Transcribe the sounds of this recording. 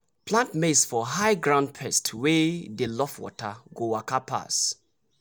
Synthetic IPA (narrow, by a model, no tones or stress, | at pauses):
pʰlãntmesfɔɦaɪɡɹãʊ̃nd̚pʰɛstʰwɛdelɔfwɔ̰taɡowakapʰa̰s